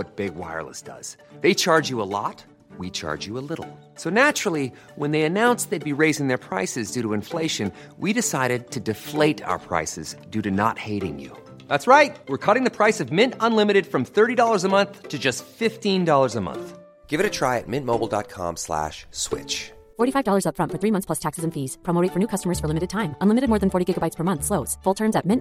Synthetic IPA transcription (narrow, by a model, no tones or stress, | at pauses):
wʌt̚b̥ɪɡwa̰ɪə̰˞lˠə̰sd̥ʌ̰z̥ | ðeɪt͡ʃʰɑɹd͡ʒjɨəlɔ̰t̚ | wit͡ʃʰɑ̰ɹd͡ʒjɨəlɪɾl̩ˠ | soʊnæt͡ʃɹ̥l̩ˠi | wə̃nðeɪɨnãʊ̃nsðeɪd̚biɹeɪzɪ̃ŋðə˞pʰɹ̥a̰ɪsɨzdʉɾəɨ̃ɱfleɪʃɨ̃n | wiɾɨsaɪɾɨd̚tʰɨdɨfleɪɾa̰ʊə˞pʰɹ̥a̰ɪsɨzdʉɾɨnə̰t̚heɪɾɪ̰̃ŋjʉ̰ | ðætsɹaɪt̚wɪɹkʰʌɾɪ̃ŋðɨpʰɹ̥aɪsʌvmɪ̃ntə̃nlɪ̃mɨɾɨd̥fɹʌ̃mθɜ˞ɾidɔlˠə˞zəmʌ̃nθtʰɨd͡ʒʌstfɪftĩndɔlˠə˞zəmʌ̰̃nθ | ɡ̥ɪvɨɾɨtʰɹ̥aɪɨ̰t̚mɪ̃nmoʊbl̩ˠdɑ̰t̚kʰɑ̰̃mslæ̰ʃswɪ̰t͡ʃ | fɔɹɾifaɪvdɔlˠə˞zʌpfɹʌ̃ntfə˞θɹimʌ̃nθspl̥ʌstʰæksɨzɨ̃n̩fiz̥pʰɹ̥omoʊɾeɪtfə˞nʉkʰʌstəmə˞z̥fə˞lɪ̃mɨɾɨd̚tʰãɪ̃mʔə̃nlɪ̃mɨɾɨd̚mɔɹð̃nfɔɹɾiɡɪɡəbaɪtspʰə˞mʌ̃nθsloʊz̥fʊlˠtʰɜ̃˞mzɨt̚mɪ̃n